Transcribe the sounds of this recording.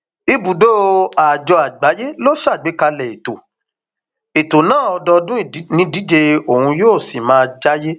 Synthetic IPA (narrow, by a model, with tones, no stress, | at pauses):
i˧bu˨do˦a˨d͡ʒɔ˧a˨ɡ͡ba˨˦je˦lo˦ʃa˦˨ɡ͡be˨˦ka˧lɛ˨e˨to˨ | e˨to˨nãː˦˨ɔ˧dɔ˧dũ˦˨˦nĩ˦di˨˦d͡ʒe˧o˨hũ˧joː˦˨si˨mãː˦˧d͡ʒa˦je˦